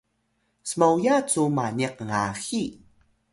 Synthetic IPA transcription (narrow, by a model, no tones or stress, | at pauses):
səmawjat͡sumaniq̚ŋaxi